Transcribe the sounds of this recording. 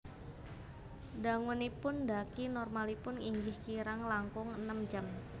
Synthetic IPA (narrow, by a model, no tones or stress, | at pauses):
da̤ŋunipʊndakinɔrmalipʊniŋɡɪhkiɾaŋlaŋkʊŋənəmd͡ʒa̤m